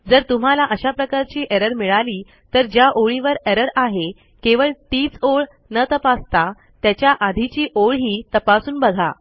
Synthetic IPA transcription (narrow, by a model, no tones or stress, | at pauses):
d͡zəɾt̪um̤alaʔəɕapɾəkaɾt͡ɕiːʔeɾəɾmiɭaliː | t̪əɾd͡ʑjaʔoɭiʋəɾeɾəɾaɦe | keʋəɭt̪iːt͡soɭ | nət̪əpast̪a | t̪jat͡ɕjaʔad̪ʱit͡ɕiːʔoɭɦiːt̪əpasuːnbəɡʱa̰